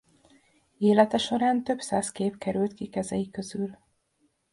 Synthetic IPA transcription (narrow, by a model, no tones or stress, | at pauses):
eːlɛt̪ɛʃo̞ɾaːnt̪ø̞bsaːskeːpkɛɾylt̪kikɛzɛjikøzyl